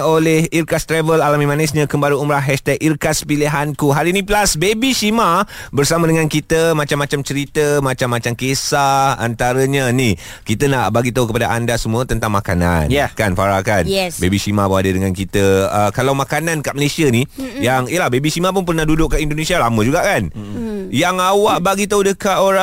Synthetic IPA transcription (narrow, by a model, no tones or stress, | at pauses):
olehirkast̪ɾɛvəlalamĩmanɛsɲəkəmbaɾəumɾaɦɦɛʃt̪ɛk̚irkaspileɦankuɦaɾinĩplasbebisimabərsamədəŋãnkit̪əmat͡ʃamːat͡ʃamt͡ʃəɾit̪əmat͡ʃamːat͡ʃamkesaa̰nt̪aɾəɲəni | kit̪ənaʔbaɡit̪aukəpadaʔandasəmũət̪ənt̪aŋmakana̰njkanfaɾakanɛsbebiʃimaboadədəŋankit̪əəkalawmakanankaʔməlesianijaŋijəlahbebiʃimap̬ʊnp̬ərnahdudʊʔkːaʔindonesialamə̃d͡ʒuɡaʔkanjaŋawaʔbaɡit̪audəkaʔoɾa